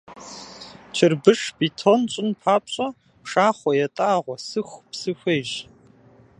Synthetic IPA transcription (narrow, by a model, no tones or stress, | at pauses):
t͡ʃʰɪrbɨʂbitʰont͡ʃʷʼɪnpʰaːpɕʼɐ | pʂaːχʷɔjɛtʼaːʁʷɔsɨxʷpsɨxʷeːʒ